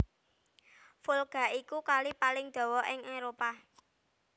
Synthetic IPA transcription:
fulɡ̥a̤ikukalipalɪŋd̪̥ɔ̤wɔɪŋeɾopa

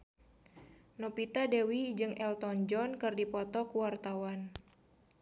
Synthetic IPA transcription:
nɔpit̪adewid͡ʒɨŋɛlt̪ɔnd͡ʒɔnkɨrdipɔt̪ɔkuwart̪awan

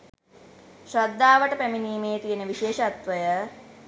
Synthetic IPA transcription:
ʃɾad̪ːaːʋəʈəpæminiːmeːt̪ijənəʋiʃeːʃəat̪ʋəjə

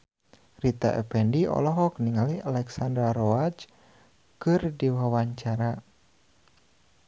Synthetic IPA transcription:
rit̪a̰ʔɛ̰pɛndiɔ̰lɔɦɔk̚niŋalialɛksandɾaɾɔat͡ʃ | kɨrdiwawaɲt͡ʃaɾa

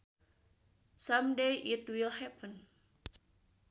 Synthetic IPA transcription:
samdejʔit̪wilhɛpən

